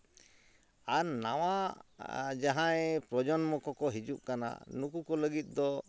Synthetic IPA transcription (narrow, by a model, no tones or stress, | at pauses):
aɾnawa | d͡ʒaɦãɛpɾɔd͡ʒɔnmɔkɔkɔɦid͡ʒuʔ̚kana̰nukukɔləɡit̪̚ˀd̪ɔ